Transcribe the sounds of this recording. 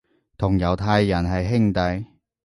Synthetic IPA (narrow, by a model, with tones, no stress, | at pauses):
t̪ʰʊ˨˩ŋjɐ˨˩wt̪ʰaː˧jːɐ˨˩nɦɐ˨jɦɪ˥ŋt̪ɐ˨j